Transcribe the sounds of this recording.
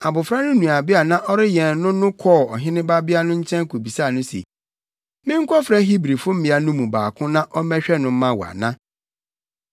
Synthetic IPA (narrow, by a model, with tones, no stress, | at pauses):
a˨bʊ˨fɾa˦nʊ̃˦nũ˨a˨bɪ˦a˨nã˦ʔɔ˦ɾɪ˦jɛ˨n˨nʊ̃˦nʊ̃˦kʰɔ˦˨ɔ˨ɦɪ̃˦nɪ̃˦ba˦bɪ˦a˦nʊ̃˦ɲ̩˦t͡ɕʰɛ̃˦ŋ˦kʰo˨bi˨sa˦˨nʊ̃˦sḛ˨ | mɪ̃˦ŋ̩˦kʰɔ˦fɾã˦ɦi˦bɾi˨fʊ˦m̩˦mɪ̃˨˦a˨nʊ̃˦mũ˨baː˨kʰʊ̃˦nã˦ʔɔ˦mɛ˦ɕᶣɛ˦nʊ̃˨m̩˦mã˦˨wɔ˨a̰˨nã˦